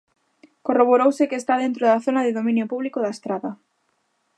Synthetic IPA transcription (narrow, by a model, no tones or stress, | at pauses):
koroβoɾowsɪkeːst̪aðent̪ɾoðaθonaðɪðomĩnjopuβlikoðaest̪ɾaða